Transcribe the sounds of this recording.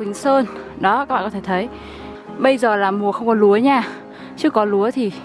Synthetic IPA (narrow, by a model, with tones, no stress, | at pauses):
wï˨˦ŋ̟səː˧nɗɔ˨˦kaː˦˥ɓa̰ː˧˨ɔ˦e˧˩t̪ʰə˨˦j | ɓə˧jzəː˨˩laː˨˩mu˨˩əxə˧wŋ͡mkɔ˨˦lu˨˦əɲaː˧˩ | t͡ɕɨ˦˥əkːɔ˨˦lu˨˦ət̪ʰi˨˩